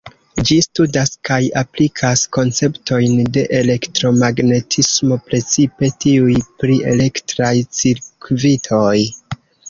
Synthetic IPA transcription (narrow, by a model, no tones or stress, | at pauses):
d͡ʒistudaskajaplikʰasko̞nt͡se̞pto̞jnde̞ʔele̞ktɾo̞maɡne̞tʰismo̞pɾe̞t͡sipe̞tiujpɾiʔe̞̰le̞ktɾajt͡siɾkvitʰo̞j